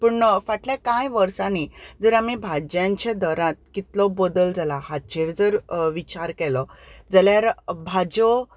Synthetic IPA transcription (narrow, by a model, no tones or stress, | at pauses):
pəɳfaʈljakãjʋəɾsãnid͡zəɾamibʱad͡ʑjãɲt͡ɕed̪əɾãt̪̚kit̪lɔbod̪əld͡zalahat͡ɕʰeɾd͡zəɾʋit͡ɕaɾkɛlɔd͡zəljaɾbʱad͡ʑɔ